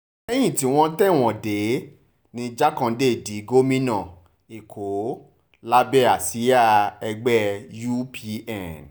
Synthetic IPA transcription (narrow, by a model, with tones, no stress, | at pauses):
ɛ˦j̃ĩ˦˨ti˨˦w̃ɔ̃˦tɛ˦˨w̃ɔ̃˨de˨˦ | nĩ˧d͡ʒa˦kã˧de˦˨di˨˦ɡo˦mĩ˦nã˦˨ | e˨kʰo˨˦ | la˦bɛ˦˨a˨si˨˦a˦˨ɛ˧ɡ͡bɛ˦ju˦pʰi˧ɛ˦˨n